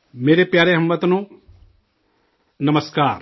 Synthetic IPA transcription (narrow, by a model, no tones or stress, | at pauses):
meːɾepjaːɾeɦɐmːət̪nõː | nɐməskaːɾ